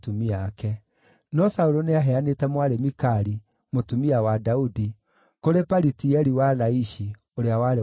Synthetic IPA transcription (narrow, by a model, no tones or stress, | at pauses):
tumiakɛ | nɔsauɾoneaɦɛanetɛmwaɾemikaɾi | motumiawadaudi | koɾepaɾitiɛɾiwalaiʃi | oɾeawaɾe